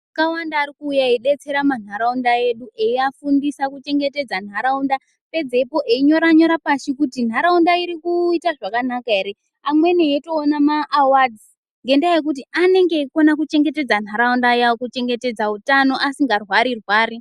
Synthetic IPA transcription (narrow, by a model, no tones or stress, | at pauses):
kawandaːɾikuːjaiɗe̞t͡se̞ɾaman̤aɾaundae̞ɗuʔe̞iafundisakut͡ʃe̞ŋɡe̞te̞d͡zan̤aɾaunda | pe̞d͡ze̞po̞ʔeiɲo̞ɾaɲo̞ɾapaʃikutin̤aɾaundaiɾikuitaʐakanakaeɾe | amwe̞neeto̞ːnamaʔːwad͡zi | ŋɡe̞ndajek̬ut̬iane̞ŋɡe̞konak̬ut͡ʃe̞ŋɡete̞d͡zan̤aɾaundajaokut͡ʃe̞ŋɡe̞te̞d͡zautano̞ʔasiŋɡarwaɾirwaːri